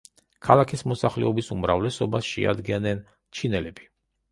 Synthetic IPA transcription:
kʰalˠakʰismɔsaχlɛ̰ɔbisumɾavlɛsɔbasʃɛ̰a̰d̪ɡɛnɛn | t͡ʃʰinɛlɛb̥i

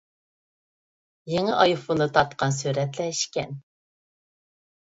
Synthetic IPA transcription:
jeŋɪʔɑjufunɨt̪ʰɑt̪qɑns̬yɾɛt̪lɛʃkʲɛ̰n

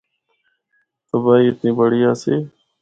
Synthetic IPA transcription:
təbaːiːɪt̪nĩːbəɽiːaːseː

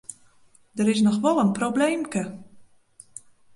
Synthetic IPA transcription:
dəɾɪs̬nɔxʋɔlˠənprobleːmkə

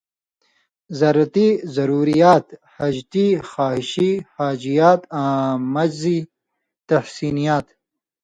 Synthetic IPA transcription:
zɐɾɐt̪izɐɾuːɾijaːt̪hɐd͡ʒt̪ixaːhɪʃihaːd͡ʒijaːt̪amɐd͡ʒzi | t̪ɐhsiːnijaːt̪

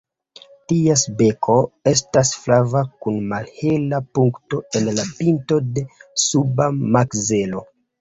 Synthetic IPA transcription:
tiesbe̞kʰoe̞s̬tasflavakunmalhelapuŋkto̞e̞nlapinto̞de̞subamakze̞lo̞

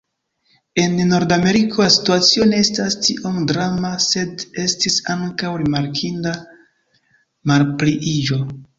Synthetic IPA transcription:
e̞nːo̞ɾdame̞ɾikʰo̞lasi̥tuat͡sio̞ne̞estastiʔo̞mdɾamase̞de̞stisaŋkawɾimaɾkʰinda | malpliʔid͡ʒo̞

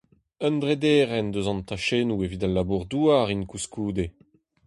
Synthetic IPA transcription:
œnd̪ʁed̪eːʁɛnd̪øzɑ̃nt̪aʃeːnuevid̪alːabuʁd̪uːaʁinkuskuːd̪e

